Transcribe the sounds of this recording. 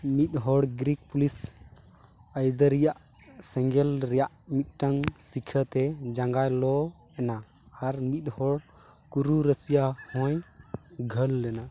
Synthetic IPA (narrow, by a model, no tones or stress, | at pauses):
mit̪̚ˀɦɔɽɡɾik̚pulis | əjd̪əɾijaʔ | sɛŋɡɛlɾɛjaʔmit̪̚ˀʈaŋsikʰət̪ɛd͡ʒãŋɡajlɔ | ɛnaː | ɾmit̪̚hɔɽ | kuɾuɾəsijahɔ̃j | ɡʱəlːɛna